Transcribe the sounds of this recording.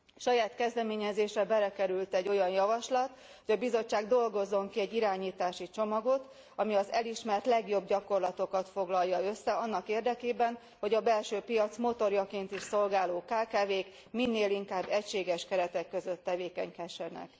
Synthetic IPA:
ʃɒjaːt̪kɛzd̪ɛmeːɲɛzeːʃrɛbɛlɛkɛɾylt̪ɛɟːo̞jɒnjɒvɒʃlɒt̪ | hoɟɒbizo̞t͡ʃːaːɡd̪o̞lɡo̞zːo̞ŋkiɛɟːiɾaːɲiːt̪aːʃit͡ʃo̞mɒɡo̞t̪ | ɒmiɒzɛliʃmɛrt̪lɛɡjo̞bɟɒko̞rlɒt̪o̞kɒt̪fo̞ɡlɒjːɒø̞sːɛɒnːɒkeːrd̪ɛkeːbɛn | ho̞ɟɒbɛlʃøːpijɒt̪smo̞t̪o̞rjɒkeːnt̪iʃso̞lɡaːloːkaːkaːveːk | minːeːliŋkaːbːɛcʃeːɡɛʃkɛɾɛt̪ɛkːø̞zø̞t̪ːɛveːkɛɲkɛʃɛnɛ̰k

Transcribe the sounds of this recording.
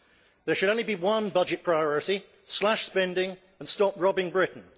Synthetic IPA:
ðə˞ʃɨɾõʊ̃nlibiwʌ̃nbʌd͡ʒɨt̚pʰɹ̥aɪɔɹəti | slaʃspɛ̃ndɪ̃ŋ | ə̃nstɒpɹɒbɪ̃ŋbɹɪʔn̩

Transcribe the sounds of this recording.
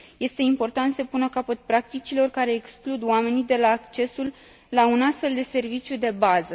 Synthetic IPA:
je̞st̪e̞impo̞rt̪ant̪səpunəkapət̪̚pɾak̚t̪it͡ʃilo̞rkaɾe̞ːksklud̪oame̞nid̪e̞laːkt͡ʃe̞sulː | aunast̪fe̞ld̪e̞se̞rvit͡ʃjud̪e̞bazə

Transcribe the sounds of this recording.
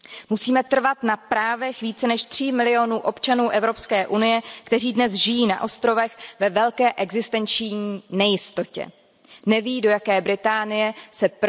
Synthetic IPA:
musiːmɛt̪r̩vat̪napɾaːvɛxviːt͡sɛnɛʃt̪r̝̥imɪlɪo̞nuːʔo̞pt͡ʃanuːʔɛvɾo̞pskɛːʔunɪjɛkt̪ɛriːdnɛsʒɪjiːna̰ʔo̞st̪ɾo̞vɛxvɛvɛlkɛːʔɛɡzɪst̪ɛnt͡ʃɲiːnɛjɪst̪o̞cɛ̰ | nɛviːdo̞jakɛːbɾɪt̪aːnɪjɛsɛp

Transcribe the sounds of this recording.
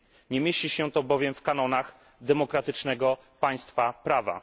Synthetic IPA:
ɲɛmʲjeɕiɕɛt̪ɔbɔvʲjɛmfkan̪ɔnax | d̪ɛmɔkɾat̪ɘt͡ʂnɛɡɔ | paj̃st̪fapɾava̰

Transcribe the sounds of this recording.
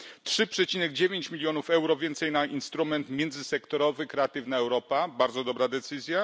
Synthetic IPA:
tʂɘpʂɛt͡ɕinɛɡd͡ʑevʲjeɲt͡ɕmʲilʲjɔnufɛwɾɔvʲjɛnt̪sɛjnaʔinst̪ɾumɛnt̪mʲjɛnd̪zɘsɛkt̪ɔɾɔvɘkɾɛat̪ɘvnaɛwɾɔpabaɾd̪zɔd̪ɔbɾad̪ɛt̪sɘzʲja

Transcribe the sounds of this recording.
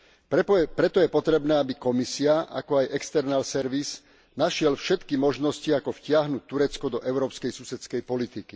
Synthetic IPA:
ppɾɛt̪ɔjɛpɔt̪ɾɛbnɛːabikɔmisiaʔa̰kɔajɛkst̪ɛɾnalsɛɾʋiz | naʃɪɛlfʃɛt̪kimɔʒnɔsciakɔfcɪaɦnut̚t̪ːuɾɛt͡skɔd̪ɔʔɛʊɾɔːpskɛjsusɛt͡skɛjpɔlit̪iki

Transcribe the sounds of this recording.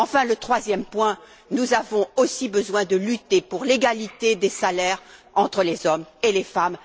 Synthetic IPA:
ɑ̃fɛ̃lət̪χwazjɛmpwɛ̃ | nuzavɔ̃osibəzwɛ̃d̪əlyt̪epuʁleɡalit̪ed̪esalɛʁ | ɑ̃t̪χəlezɔmelefam

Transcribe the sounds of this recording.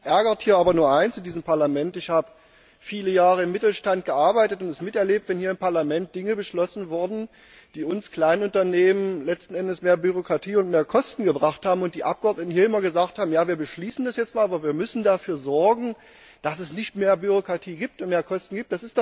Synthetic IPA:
ʔɛɐɡɐthiːɐʔaːbɐnuːɐʔaɪnsɪndiːzəmpʰaɐlamɛntɪçhaːbə | fiːləjaːʁəɪmːɪtl̩ʃtant̚ɡ̥əʔaɐbaɪtətʊntɛsmɪtɛɐleːp̚tv̥ɛnhiːɐɪmpaɐlamɛnt̚d̥ɪŋəbəʃlɔsn̩vʊɐdn̩ | d̥iːʊnskl̥aɪnʊntɐneːmənlɛt͡stn̩ɛndəsmeːɐbyʁ̞okʁ̥atʰiːʊntmeːɐkʰɔstn̩ɡəbʁaχthaːbm̩ʊntd̥iːʔap̚ɡ̥əɔɐtnətn̩hiːɐɪmɐɡəzaːkthaːbm̩jaːviːɐbəʃliːsn̩dasjɛt͡stmaːlʔaːbɐviːɐmʏsn̩dafyːɐzɔɐɡŋ̩ | d̥asɛsnɪçtmeːɐbyʁ̞okʁ̥atʰiːɡiːp̚tʊntmeːɐkʰɔstn̩ɡiːp̚td̥asɪstd̥ɔ

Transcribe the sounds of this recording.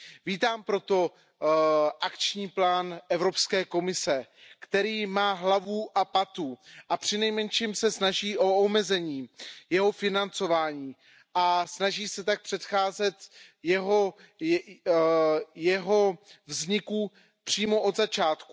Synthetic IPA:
viːt̪aːmpɾo̞t̪o̞ | ʔakt͡ʃɲiːplaːnʔɛvɾo̞pskɛːko̞mɪsɛkt̪ɛɾiːmaːɦlavuʔapat̪uʔapr̥ɪnɛjmɛnʃimsɛsnaʒiːʔo̞omɛzɛɲiːjɛɦo̞fɪnant͡so̞vaːɲiː | ʔasnaʒiːsɛt̪ak̚pr̥ɛt̪xaːzɛt̪jɛɦo | jɛɦo̞vzɲɪku | pr̥iːmo̞ʔod̪zat͡ʃaːt̪ku̥

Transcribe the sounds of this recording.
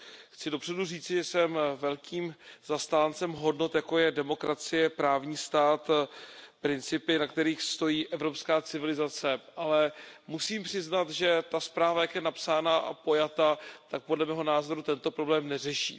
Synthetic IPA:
xt͡sɪdo̞pr̥ɛduriːt͡sɪʒɛsɛmvɛlkiːmz̥ast̪aːnt͡sɛmɦo̞dno̞t̪jako̞jɛdɛmo̞kɾat͡sɪjɛpɾaːvɲiːst̪aːt̪pɾɪnt͡sɪpɪnakt̪ɛɾiːxst̪o̞jiːʔɛvɾo̞pskaːt͡sɪvɪlɪzat͡sɛʔalɛmusiːmpr̥ɪznat̪ʒɛt̪aspɾaːvajakjɛnapsaːnaʔa̰po̞jat̪at̪ak̚podlɛmɛːɦo̞naːzo̞ɾut̪ɛnt̪o̞pɾo̞blɛːmnɛrɛʃḭː

